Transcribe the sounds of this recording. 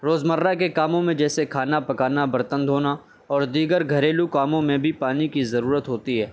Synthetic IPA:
ɾoːzmɐɾːakekaːmõmẽd͡ʒɛːsekʰaːnapɐkaːnabɐɾt̪ə̃nd̪ʱɦoːna | ɔːɾd̪iːɡəɾɡʱɐɾeːlukaːmõmẽbʱipaːnikizɐɾuːɾət̪ɦoːt̪iɦɛː

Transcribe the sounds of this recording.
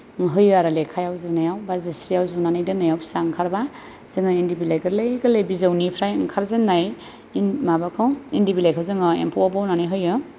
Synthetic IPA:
ŋɦɯjɯaɾalekʰajawzunajawbazisijawzunanajdɯnajawbʰi̥saŋkʰaɾba | z̥eŋɯendibilajɡɯɾlajɡalejbizawnipʰɾajŋkʰaɾzenːaj | inmabakʰawendibilajkʰawzɯŋɯḛmpʰɔwabawnanɯjɦɯjɯ

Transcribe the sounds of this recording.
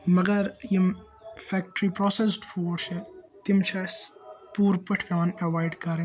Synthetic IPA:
mɐɡɐɾjim | fɛːk̚ʈɾiːpɾɔːses̬ɖfuːɖʃɛ̃ | t̪ɪmt͡ʃʰaːspuːɾpɐʈʰpãːnɐʋaːɪɖkɐɾẽ

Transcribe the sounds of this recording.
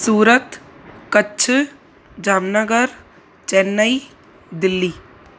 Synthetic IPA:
suːɾət̪kətːt͡ʃʰ | d͡ʒaːmnəɡəɾ | t͡ʃɛnːəi | d̪ɪlːiː

